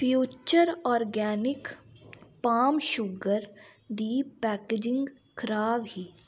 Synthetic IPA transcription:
pjuːt͡ʃəɾɔːɾɡɛːnɪk | paːmʃʊɡəɾd̪iːpɛːkeːd͡ʒɪ̃ŋɡ | kʰɾaːʋɦiː

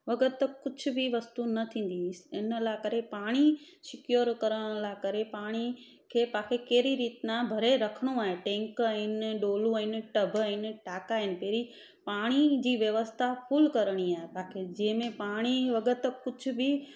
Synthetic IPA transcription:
ʋɐɡət̪ːkʊd͡ʑʱʊ̆bʱiʋɐst̪unɐt̪ʰĩːn̆d̪iɪnlaːkɐɾepaːɽ̃i | sɪkjoːɾkɐɾəɽ̃laːkɐɾepaːɽ̃i | kʰeːpaːkʰekeːɾiɾiːt̪nabʱɐɾeɾɐkʰɽ̃ũaːɦeʈẽːŋkə̃ɪnɖoːluəɪnʈɐbʱɪn̆ʈaːkaɦɪnɪ̆peːɾi | paːɽ̃id͡ʑiːʋjɐʋəst̪ʰapʰulkɐɾəɽ̃iaːɦepaːkʰed͡ʑɐ̃ːɦɪ̃mẽpaːɽ̃iʋɐɡət̪kʊd͡ʑʱʊ̆bʱɪ

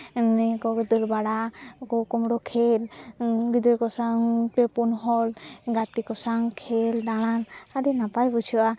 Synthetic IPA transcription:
nɛkɔɡɯd̪əɾbaɽakɔkɔmɽɔkʰelɡid̪əɾkɔsaŋpepunɦɔlɡat̪ikɔsaŋkʰeld̪aɽ̃anaɾinapajbɔt͡ʃʰia

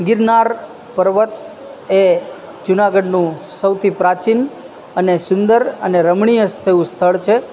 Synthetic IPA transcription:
ɡɪɾnaɾ | pəɾʋət̪ | e | d͡ʒunaɡəɖnũsəwt̪ʰipɾat͡ʃin | ənesʊnd̪əɾəneɾəmɳiəst̪ʰeʋũst̪ʰəɭt͡ʃʰe

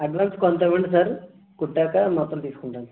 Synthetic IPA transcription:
ɐɖʋaːnskont̪ɐʋuɳɖusɐɾ | kuʈːaːkɐmɔt̪ːɐmt̪iːsu̥kuɳʈaːn

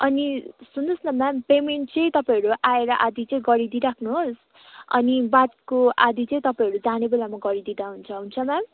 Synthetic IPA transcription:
ʌnisund̪osnʌmampemeɳʈt͡sʌj̃t̪ʌpaĩʌɾuʔaeɾʌʔad̪ʱit͡sʌĩɡʌɾid̪iɾakʰnuɦos | ʌ̰nibat̪koa̰d̪ʱit͡sʌĩt̪ʌpaĩɦʌɾud͡zanebelamʌɡʌɾid̪id̪aɦunt͡sʰʌɦunt͡sʰʌmam

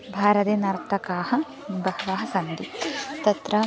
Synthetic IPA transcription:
bʱaːɾɐt̪eːnɐɾt̪ʰɐkaːhɐ̆ | bɐhɐʋaːɦɐsɐnd̪it̪ɐt̪ɾɐ

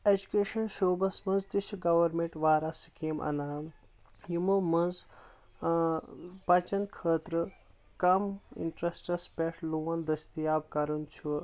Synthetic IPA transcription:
ed͡ʒukeːʃɐnʃoːbɐsmɐnzt̪iʃuɡɐʋɐɾmẽɳʈʋaːɾaːsi̥kiːmʔɐ̰naːm | jumɨmɐnz | pɐt͡ʃɐnd̪̚kʰəːt̪ɾɨ | kɐmḭɳʈɾɐsʈɐspeʈluːʋɐnd̪ɐst̪iaːbkɐɾunt͡ʃʰu

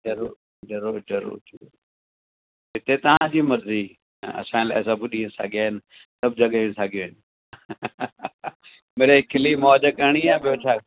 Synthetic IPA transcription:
d͡ʒɐɾuːɾ | d͡ʒɐɾuːɾd͡ʒɐɾṵːɾd͡ʒʰu | ɦɪt̪et̪ɐʋ̤ãd͡ʑiːmɐɾziː | ɐ̰sãːla̰ːsɐbɗĩːə̃sa̰ːɡʱɪjaːɦɪnɪ | sɐb̚d͡ʑɐɠĩsaːɡʱɪjoːɦɪnɪ | meːɾeɪkʰːɪlimɔːd͡ʒəkəɽ̃iãːbʱɪjoːt͡ʃʰaː

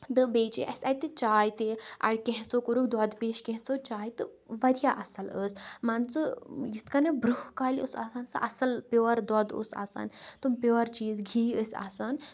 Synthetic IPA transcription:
d̪ɨbeːt͡ʃḭʔɐsʲat̪ɨt͡ʃaːjt̪eʔɐ̰ɽʲkʲɛ̃ɦsokuɾukd̪ɔːd̪peːʃkɛ̃ɦt͡sot͡ʃaːjt̪ɨ | ʋɐd̪ʱijaʔɐsɐləsmant͡sɨjit̪kanɐbɾuhkaːlʲusaːsaːnsa̰ʔɐsɐlpʲoːɐɾd̪ɔːd̪ṵsa̰ːsa̰ːnt̪umpʲoːɐɾt͡ʃiːzɡʱiːəsʲa̰ːsaːn

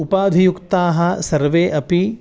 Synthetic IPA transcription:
upaːd̪ʱijukt̪aːɦɐsɐɾʋeːʔɐpi

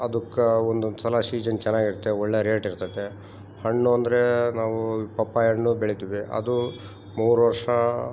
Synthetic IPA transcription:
ɐd̪ukːeond̪ond̪usɐlɐsiːd͡ʒɐnt͡ʃɛnːaːɡiɾt̪ːeɔɭːeɾeːʈiɾt̪ɐd̪e | hɐɳːuɐnd̪ɐɾe̞naːʋupɐpːɐjɐɳːubeɭit̪iʋiʔɐ̰d̪u | muːɾuʋɐɾʂɐ

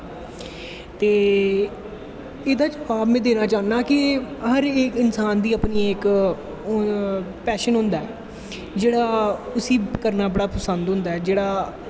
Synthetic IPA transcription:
t̪eː | ɪd̪aːt͡ʃəpaːbmẽːd̪eːnaːt͡ʃaːnaːkɪɦəɾeːkɪnsaːnd̪iːaːpniːeːk | pɛːʃənɦʊ̃nd̪aːɛː | d͡ʒeːɽaːʊsiːkəɾnaːbəɽaːpəsənd̪ɦʊ̃ːnd̪aːɛːd͡ʒeːɽaː

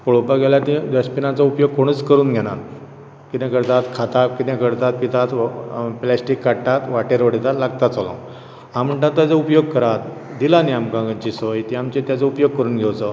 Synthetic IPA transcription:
pɔɭopaɡelat̪ĩd̪əɕpinat͡saupjoɡ̚koɽ̃ət͡skəɾuːnɡʱeɽ̃at | kit̪jãkəɾt̪at̪kʰat̪akit̪jakəɾt̪at̪̚pit̪at̪plasʈikːaʈːat̪ʋaʈeɾʋəɽit̪alaɡt̪at͡salə̰̃ | am̤əɳʈ̪at̪jat͡səupjoɡ̚kəɾat̪̚ | d̪ilaniamkãɡət͡ɕisəit̪ĩamt͡ɕẽt̪jat͡səupjoɡ̚kəɾuːnɡʱewt͡sə

